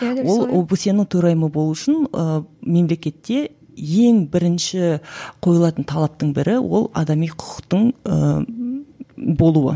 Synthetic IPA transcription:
wo̞lˠobusjenəɴt̪ʰɵɾɑjməbo̞lˠuʊʃɪnəme̞mle̞kʲe̞t̪ːe̞ | je̞ŋbɪɾɪnʃɪqʰo̞jəlˠɑt̪ənt̪ʰɑlˠɑp̚t̪əɴbɪɾʔɪwʔo̞̰lˠɑ̰d̪ɑmijqʰʊ̥qʰə̥qt̪əɴə | bo̞lˠuwə̰

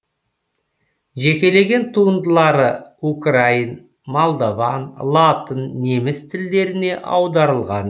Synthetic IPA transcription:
ʒe̞kʲe̞le̞ɡʲe̞nt̪ʰuənd̪əlˠɑɾəukrain | molˠd̪ovɑnlˠɑt̪ənːe̞mɪst̪ʰɪld̪e̞ɾɪne̞ʔɑ̰wd̪ɑɾəlˠʁɑn

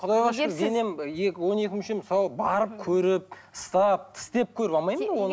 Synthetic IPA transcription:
qʰʊd̪ɑjʁɑʃd̪e̞ne̞mekʲwo̞ne̞kʲɪmʃemɪsɑlˠəbɑɾəp̚kʲʰɵɾɪp̚ | əst̪ɑp̚t̪ʰɪ̥st̪e̞p̚kʲʰɵɾɪpɑmɑjmənwon

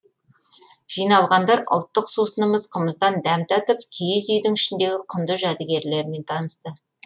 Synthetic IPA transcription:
ʒ̥ijnɑlˠʁɑnd̪ɑɾʔʊ̰lˠt̪ːəqsusənəməzqʰəməzd̪ɑnd̪æmt̪æt̪əpkʲʰejɪzʏjd̪ɪŋɪʃɪnd̪e̞ɡʲɪqʰʊnd̪əʒæd̪ɪɡʲe̞ɾle̞ɾme̞nt̪ʰɑnəst̪ə

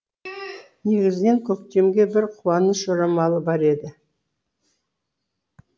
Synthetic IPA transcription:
ne̞ɡʲɪzɪne̞ŋkʲʰɵk̚t̪e̞mɡʲe̞bɪɾqʰʊwɑnəsʒoɾɑmɑlˠəbɑɾe̞d̪ɪ

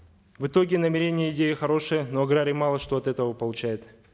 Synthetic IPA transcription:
vɨt̪o̞ɡʲɪnəmʲɪɾʲenʲɪjəɪdʲejɪxɐɾo̞ʂɨjənoɐɡɾaɾɨmɑlˠəʂt̪o̞ɐt̪ɛt̪əvəpəlˠʊt͡ɕæjɪt̪

